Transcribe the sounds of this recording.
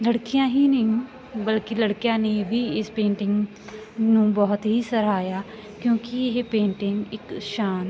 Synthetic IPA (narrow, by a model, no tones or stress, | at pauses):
ləɽkijãːɦiːnəĩ | bəlkɪləɽkijãːneːbiːɪspẽːɳʈɪŋɡ | nũːbɔːt̪ɦiːsəɾaːjaː | kjõːkɪɪɦpẽːɳʈɪŋɡɪkʃaːn